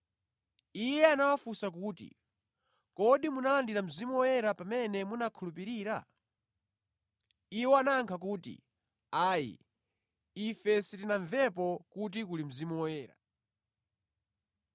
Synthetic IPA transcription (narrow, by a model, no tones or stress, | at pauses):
ijɛanawafusak̬uːtḭ | kɔɗimunalandiɾam̩zimuwɔjɛɾapamɛnɛmunakʰulupiɾiːɾa̰ | iwɛanaŋkʰakuːtḭ | aːjḭ | ifɛsitinaɱvɛpɔkut̬ikulim̩zimuwɔjɛːɾa̰